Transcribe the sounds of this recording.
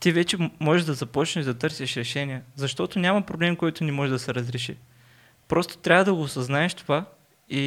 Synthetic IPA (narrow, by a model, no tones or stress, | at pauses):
t̪ivɛt͡ʃɛmɔʒɛʒd̪ɐzɐpɔt͡ʃnɛʒd̪ɐt̪ɤɾsiʃɾɛʃɛniəzɐʃt̪ɔt̪onʲamɐpɾoblɛmkojt̪ʊnimɔʒɛd̪ɐsɛɾɐzɾɛʃi | pɾɔst̪o̥t̪ɾʲavəd̪ɐɡoːsɐznaɛʃt̪ova | i